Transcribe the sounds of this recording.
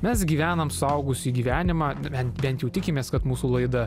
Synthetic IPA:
mʲɛsɡʲiːʋʲæːnɐmsʊɐʊɡʊsʲiːɡʲiːʋʲæːnʲɪmɑːbʲɛnt̪bʲɛnt̪jɛʊt̪ʲɪkʲɪmʲeːskɐt̪muːsuːlˠɐɪd̪ɐ

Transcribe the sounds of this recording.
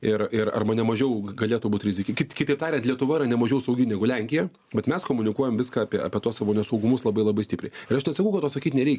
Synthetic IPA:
ɪrɪɾɐ̰rmɐnʲɛmɐʒʲɛʊɡɐlʲeːt̪ʊbuːt̪ʲɾʲɪzʲɪkʲɪkʲɪtkʲɪt̪ɐɪpt̪ɑːɾʲɛntlʲiɛt̪ʊʋɐɪɾɐnʲɛmɐʒʲɛʊsɐʊɡʲɪnʲæːɡʊlʲæŋʲkʲɪjɛ | bʲɛt̪mʲɛskoːmʊnʲɪkuɔjɛmʋʲɪskɑːɐpʲiɛɐ̰pʲiɛt̪uɔsɑʋoːnʲɛsɐʊɡʊmʊslˠɐbɐɪlˠɐbɐɪsʲtʲɪpɾʲɛɪɪɾɐʃnʲɛt̪sɐkɐʊkɐt̪ːoːsɐkʲiːt̪ʲnʲɛɾʲɛɪkʲ

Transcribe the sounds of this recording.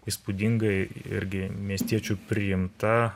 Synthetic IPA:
iːspud̪ʲɪŋɡɐɪ̰ɾʲɡʲɪmʲiɛsʲt̪ʲiɛt͡ʃʲupʲɾʲɪjɪmt̪ɐ

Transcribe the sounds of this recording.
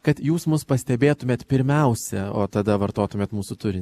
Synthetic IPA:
kɐt̪juːsmʊspɐsʲt̪ʲɛbʲeːt̪ʊmʲeːt̪pʲɪɾʲmʲɛʊsʲɛo̰ːt̪ɐd̪ɐʋɐɾt̪oːt̪ʊmʲeːt̪muːsʊt̪ʊɾʲɪnʲ

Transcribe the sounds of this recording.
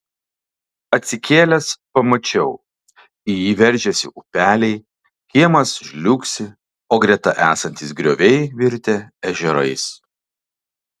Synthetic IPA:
ɐt̪ʲsʲɪkʲeːlʲɛspɐmɐt͡ʃʲɛʊ | ɪjiːʋʲɛɾʲˑʒʲɛsʲɪ̰ʔʊpʲæːlʲɛɪ | xʲiɛmɐsʒʲlʲuːksʲɪ | oːɡɾʲɛt̪ɐʔæːsɐnʲt̪ʲɪsɡɾʲoːʋʲɛɪʋʲɪɾʲt̪ʲɛɛʒʲɛɾɐ̰ɪs

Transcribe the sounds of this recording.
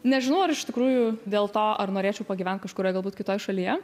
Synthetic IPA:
nʲɛʒʲɪnɐʊɐɾɪʃt̪ʲɪkɾuːjʊd̪ʲeːlˠt̪oːʔɐrnoːɾʲeːt͡ʃʲɛʊpɐɡʲiʋʲɛnt̪̚kɐʃkʊɾoːjɡɐlˠbuːt̪kʲɪt̪oːjɛʃɐlʲiːjɛ

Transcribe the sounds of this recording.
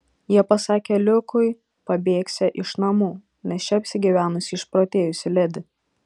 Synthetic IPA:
jiɛpɐsɑːkʲelʲʊkʊɪ | pɐbʲeːksʲɛʔɪʃnɐmuː | nʲɛst͡ʃʲɛɐpʲsʲɪɡʲiʋʲæːnʊsʲɪɪʃpɾoːt̪ʲeːjʊsʲɪlʲɛd̪ʲɪ

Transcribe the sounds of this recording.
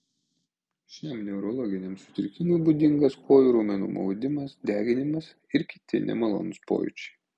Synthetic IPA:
ʃʲɛmnʲɛʊɾɔlˠɔːɡʲɪnʲɛmsʊ̥t̪ʲɪɾʲkʲɪnʲuːbʊd̪ʲɪŋɡɐskʰoːjʊɾuːmʲɛnṵːmɒ̰ʊd̪ʲɪmɐsd̪ʲæːɡʲɪnʲɪmɐs | ɪɾkʲɪt̪ʲɪ̰nʲɛ̰mɐlˠo̰ːnʊspo̰ːjʊ̰t͡ʃʲɛ̥

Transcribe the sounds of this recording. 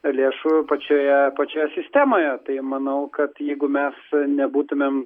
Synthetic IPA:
lʲeːʃupɐt͡ʃʲoːjɛpɐt͡ʃʲoːjɛsʲɪsʲt̪ʲæːmoːjɛt̪ɐɪmɐnɐʊkɐt̪jɛɪɡʊmʲɛsnʲɛbuːt̪ʊmʲem

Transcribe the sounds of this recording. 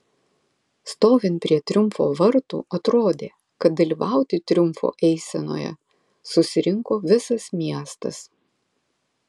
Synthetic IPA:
st̪oːʋʲɪnpʲɾʲiɛt̪ʲɾʲʊmfo̰ːʋɐɾt̪ṵːɐt̪ɾoːd̪ʲeː | kɐt̪̚d̪ɐlʲiːʋɑˑʊt̪ʲɪt̪ʲɾʲʊmfo̰ːʔɛɪsʲɛno̰ːjɛ̰ | sʊsʲɪɾʲɪŋkoːʋʲɪsɐsmʲiɛst̪ɐ̰s

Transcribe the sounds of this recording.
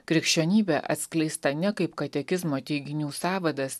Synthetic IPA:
kɾʲɪkʃʲt͡ʃʲoːnʲiːbʲeʔɐ̰t̪ʲsklʲɛɪst̪ɐnʲɛkɐɪpkɐt̪ʲɛkʲɪzmoːt̪ʲɛɪɡʲɪnʲuːsɑːʋɐd̪ɐs

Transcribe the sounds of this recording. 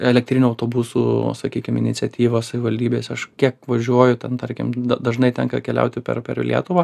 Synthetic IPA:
ɛlʲɛkt̪ʲɾʲɪnʲʊɐʊt̪oːbusuːsɐkʲiːkʲɪmɪnʲɪt͡ssʲɛt̪ʲiːʋosɐʋʲɪʋɐlʲd̪ʲiːbʲeːsɐʃkʲiɛkʋɐʒʲuɔjʊt̪ʲɛnt̪ɐɾʲkʲɪmd̪ɐd̪ɐʒnɐɪt̪ʲɛŋkɐkʲɛlʲɛ̰ʊt̪ʲɪpʲɛ̰ɾpʲɛ̰rlʲḭɛt̪ʊʋɐ

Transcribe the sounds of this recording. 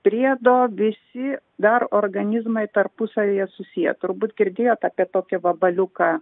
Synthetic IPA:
pʲɾʲiɛd̪oːʋʲɪsʲɪd̪ɐɾoːɾɡɐnʲɪzmɐɪt̪ɐrpʊsɐʋʲiːjɛsʊsʲijɛ̰t̪ʊɾbuːt̪ɡʲɪɾʲd̪ʲeːjoːt̪ɑːpʲiɛt̪oːkʲɛʋɐbɐlʲʊkɑː

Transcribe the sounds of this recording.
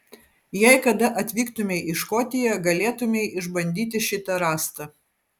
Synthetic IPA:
jɛɪkɐd̪ɐʔɐt̪ʲʋʲiːkt̪ʊmʲɛɪʔɪʃkɔt̪ʲɪjɛɡɐlʲeːt̪ʊmʲɛɪʔɪʒbɐnʲd̪ʲiːt̪ʲɪʃʲɪt̪ɐɾɑːst̪ɐ

